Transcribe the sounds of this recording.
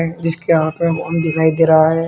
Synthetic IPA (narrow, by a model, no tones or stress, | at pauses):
ẽd͡ʒɪskeɦaːt̪ʰmẽkoʊnd̪ɪkʰaːid̪eːɾaɦaɦɛː